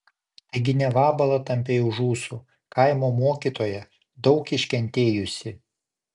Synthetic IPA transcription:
t̪ɐɪɡʲɪnʲɛʋɑːbɐlˠɐt̪ɐmʲpʲeːjʊʒuːsu | kɐɪmoːmoːkʲiːˑt̪oːjɛ | d̪ɒʊkɪʃʲkʲɛnʲt̪ʲeːjʊsʲɪ

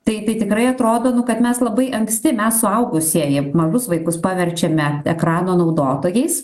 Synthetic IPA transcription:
t̪ɐɪt̪ɐɪt̪ʲɪkɾɐɪɐt̪ɾoːd̪oːnʊkɐt̪mʲɛslˠɐbɐɪʔɐŋksʲt̪ʲɪmʲɛssʊɐʊɡʊsʲiɛjɪmɐʒʊsʋɐɪkʊspɑːʋʲɛɾʲt͡ʃʲɛmʲɛɛkɾɑːnoːnɐʊd̪oːt̪oːjɛɪs

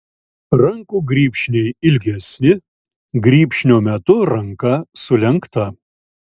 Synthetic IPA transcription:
ɾɐŋkuːɡɾʲiːpʲʃʲnʲɛɪɪlʲɡʲɛsʲnʲɪ | ɡɾʲiːpʲʃʲnʲoːmʲɛt̪ʊɾɐŋkɐsʊlʲɛŋkt̪ɐ

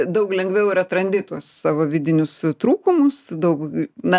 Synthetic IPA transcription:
d̪ɐʊklʲɛŋɡʋʲɛʊɪɾɐt̪ɾɐnʲd̪ʲɪt̪uɔssɑːʋoːʋʲɪd̪ʲɪnʲʊst̪ɾuːkʊmʊsd̪ɐʊknɐ

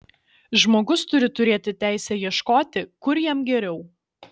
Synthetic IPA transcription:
ʒmoːɡʊst̪ʊɾʲɪt̪ʊɾʲeːt̪ʲɪt̪ʲæˑɪsʲɛjiɛʃkoːt̪ʲɪkʊɾjiɛmɡʲɛɾʲɛʊ

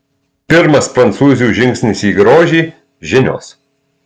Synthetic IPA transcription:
pʲɪɾmɐspɾɐnt̪suːzʲɪjuːʒʲɪŋʲksʲnʲɪsiːɡɾoːʒʲiː | ʒʲɪnʲo̰ːs

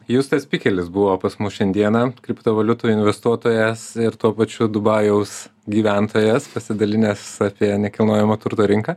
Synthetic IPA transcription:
just̪ɐsʲpʲiːkʲɛlʲɪsbʊʋoːpɐsmʊsʃʲɛnʲd̪ʲiɛnɐkʲɾʲɪpt̪oːʋɐlʲʊt̪uːɪnʲʋʲɛst̪uɔt̪oːjɛsɪɾt̪uɔpɐt͡ʃʲʊd̪ʊbɑːjɛʊsɡʲiːʋʲænt̪ʰoːjɛspɐsʲɪd̪ɐlʲɪnʲɛsɑːpʲiɛnʲɛkʲɪlˠnoːjɛmɐt̪ʊɾt̪oːɾʲɪŋkɐː

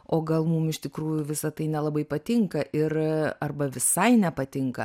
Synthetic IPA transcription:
oːɡɐlˠmumɪʃt̪ʲɪkɾuːjʊʋʲɪsɐt̪ɐɪnʲɛlˠɐbɐɪpɐt̪ʲɪŋkɐʔɪrɐrbɐʋʲɪsɐɪnʲɛpɐt̪ʲɪŋkɐ

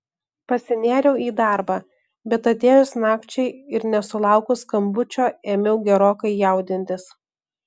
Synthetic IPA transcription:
pɐsʲɪnʲæːɾʲɛʊiːd̪ɑˑɾbɑː | bʲɛt̪ɐt̪ʲeːjʊsnɑːkt͡ʃʲɛɪɪɾnʲɛsʊlˠɑˑʊkʊskɐmbʊt͡ʃʲoːeːmʲɛʊɡʲɛɾoːkɐɪjɛˑʊd̪ʲɪnʲt̪ʲɪs

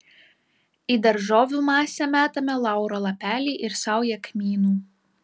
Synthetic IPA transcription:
iːˑd̪ɐɾʒoːʋʲuːmɑːsʲɛmʲæːt̪ɐmʲɛlˠɑˑʊɾolˠɐpʲæːlʲiːʔɪɾsɑˑʊjɛkmʲiːnuː

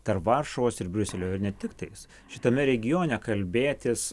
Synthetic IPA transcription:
t̪ɐɾpʋɐrʃɐʋoːsɪɾbʲɾʲʊsʲɛlʲoːjɪɾnʲɛt̪ʲɪkt̪ɐɪs | ʃʲɪt̪ɐmʲɛɾʲɛɡʲɪjoːnʲɛkɐlʲbʲeːt̪ʲɪs

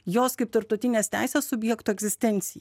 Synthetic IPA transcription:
joːskɐɪp̚t̪ɐɾp̚t̪ɐʊt̪ʲɪnʲeːst̪ʲæ̰ɪsʲeːsʊbʲjɛkt̪oːɛɡzʲɪsʲt̪ʲɛnʲt̪sʲɪjɛ

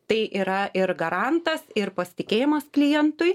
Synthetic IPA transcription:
t̪ɐɪʔiːɾɐʔɪɾɡɐɾɑnt̪ɐsɪɾpɐsʲɪ̥t̪ʲɪkʲeːjɪmɐsklʲɪjɛnt̪ʊj

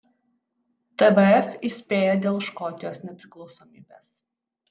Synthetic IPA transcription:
t̪ɛbɛɛfʲiːsʲpʲeːjɛd̪ʲeːlˠʃkɔt̪ʲɪjoːsnʲɛpʲɾʲɪklˠɒʊsɔmʲiːbʲeːs

